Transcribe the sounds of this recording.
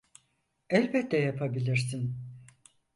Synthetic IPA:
ɛlʲbɛt̪ːɛjapʰabilʲiɾsin

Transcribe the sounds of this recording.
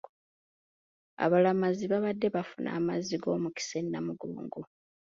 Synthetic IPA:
a̰βalamaziβaβadːe̞βafunʔa̰ːmaziɡo̞ːmuki̥se̞nːamuɡuːŋɡu

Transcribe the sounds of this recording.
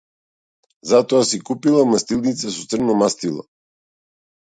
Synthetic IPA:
zat̪ɔasikupilˠamast̪ilˠnit̪sasɔt̪sər̩nɔmast̪ilˠa̰

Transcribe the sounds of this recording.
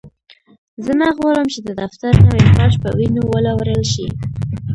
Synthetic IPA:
zənaɣwɑɾəmt͡ʃed̪əd̪aft̪aɾnawixɑʃpə̰winowəlɑwɾəlʃḭ

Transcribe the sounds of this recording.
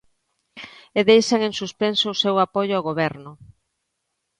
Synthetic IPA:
eðejʃaŋẽŋsuspensoʊsewapojʊaɣoβɛɾnʊ

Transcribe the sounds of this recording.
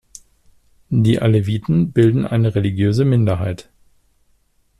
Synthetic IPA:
diːʔaleviːtn̩bɪldn̩ʔaɪnəʁeliɡjøːzəmɪndɐɦaɪt

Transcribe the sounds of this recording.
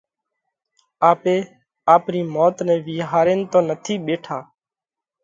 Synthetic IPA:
aːpeː | aːpniːmoːt̪nɛ̃ːʋiːɦaːɾeːnt̪õːnət̪ʰiːɓeːʈʰaː

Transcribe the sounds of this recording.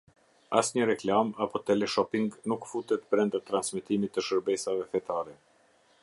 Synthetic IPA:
a̰sɲəɾɛklamapɔt̪ɛlɛʃɔpiŋɡnukfut̪ɛt̪pɾɛnd̪at̪ːɾansmɛt̪imit̪ːəʃəɾbɛsavɛfɛt̪aɾɛ

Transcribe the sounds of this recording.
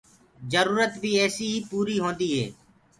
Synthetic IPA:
d͡ʒəɾuːɾət̪ʋiːɛːsiːɦiːpuːɾiːɦõːnd̪iːɦeː

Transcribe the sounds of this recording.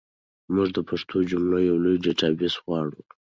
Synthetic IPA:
mʊʐd̪əpʰaʂt̪ʰod͡ʒʊmlojːawlujɖeʈɑbisɣwɑɽu

